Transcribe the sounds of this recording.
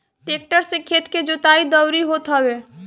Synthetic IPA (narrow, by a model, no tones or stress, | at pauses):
ʈeːk̚ʈəɾsɪkʰːet̪ked͡ʒʊt̪aːid̪əwɾiɦot̪ɦɐweː